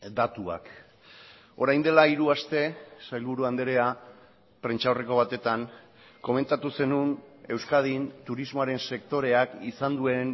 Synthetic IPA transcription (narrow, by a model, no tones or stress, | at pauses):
d̪at̪ua̰k | o̞ɾajnd̪e̞laiɾuast̪e̞sajlβuɾuand̪eɾe̞a | pɾe̞nt͡ʃaoreko̞β̞at̪e̞t̪aŋ | ko̞me̞nt̪at̪use̞nune̞wskað̞int̪uɾizmo̞aɾe̞nse̞k̚t̪o̞ɾe̞akisand̪ue̞n